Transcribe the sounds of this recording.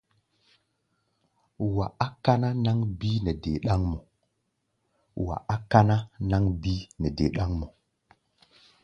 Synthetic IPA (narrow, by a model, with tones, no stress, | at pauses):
wa˨a˦ka˦na˦na˦ŋbi˦nɛ˨de˨ɗa˦ŋmo˨ | wa̰˨ʔa˦ka˦na˦na˦ŋbi˦nɛ˨dḛ˨ɗa˦ŋmo˨